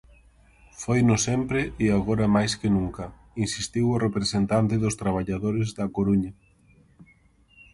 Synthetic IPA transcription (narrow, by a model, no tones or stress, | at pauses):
fojnʊsɛmpɾɪɪaɣoɾɐmajskɪnũŋkɐ | insist̪iwʊrepɾesent̪ant̪ɪðʊst̪ɾaβ̞aʎaðoɾɪzðɐkoɾuɲɐ